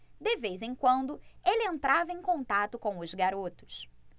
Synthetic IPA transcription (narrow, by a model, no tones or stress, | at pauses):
d̪ɪvejzẽj̃kwɐ̃nd̪ʊelɪẽnt̪ɾavɐẽj̃kõnt̪at̪ʊkõw̃ʊzɡaɾot̪ʊ̥s